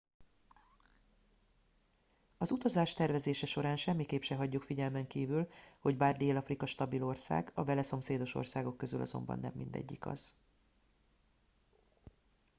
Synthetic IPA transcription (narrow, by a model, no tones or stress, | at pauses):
ɒzut̪ɒzaːʃt̪ɛrvɛzeːʃɛʃo̞ɾaːnʃɛmːikeːpʃɛɦɒɟːukfiɟɛlmɛŋkiːvylho̞ɟbaːrd̪eːlɒfrikɒʃt̪ɒbilo̞rsa̰ːɡɒvɛlɛso̞mseːd̪o̞ʃo̞̰rsaːɡo̞kːøzylʔɒ̰zo̞̰mbɒ̰nːɛ̰mːind̪ɛ̰ɟːikɒ̰z̥